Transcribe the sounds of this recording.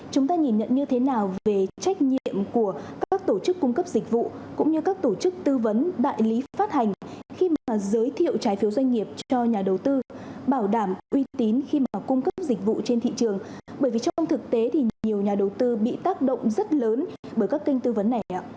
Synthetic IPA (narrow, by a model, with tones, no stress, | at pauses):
t͡ɕʊ˨˦ŋ͡mt̪aː˧ŋi˨˩nɲə̰˧˨nɲɨ˧t̪ʰe˨˦naː˨˩wve˨˩t͡ɕa˦˥jk̟̚ɲḭ˧˨əmku˧˩əkːaː˦˥k̚t̪o˧˩t͡ɕɨ˦˥kːʊ˧ŋ͡mkə˦˥p̚zi˨˩k̟̚vṵ˧˨kʊ̰˧˥ŋ͡mɲɨ˧kaː˦˥k̚t̪o˧˩t͡ɕɨ˦˥k̚t̪ɨ˧və˨˦nɗa̰ː˧˨jli˨˦faː˦˥t̚ha˨˩ŋ̟xi˧maː˨˩zəː˨˦jt̪ʰḭ˧˨əwt͡ɕaː˨˦jfi˨˦wzwa˧jŋ̟ŋi˨˩əp̚t͡ɕɔ˧ɲaː˨˩ɗə˨˩wt̪ɨ˧ɓaː˧˩wɗaː˧˩mʔwi˧t̪i˨˦nxi˧maː˨˩kʊ˧ŋ͡mkə˦˥p̚zi˨˩k̟̚vṵ˧˨t͡ɕe˧nt̪ʰḭ˧˨t͡ɕɨ˨˩əŋɓəː˧˩jvi˨˩t͡ɕɔ˧ŋ͡ma˧wŋ͡mt̪ʰɨ˨˩k̚t̪e˨˦t̪ʰi˨˩ɲi˨˩əwɲaː˨˩ɗə˨˩wt̪ɨ˧ɓḭ˧˨t̪aː˦˥k̚ɗə̰˧˨wŋ͡mzə˦˥t̚ləː˨˦nɓəː˧˩jkaː˦˥kːi˧jŋ̟t̪ɨ˧və˨˦nːa˨˩jʔa̰˧˨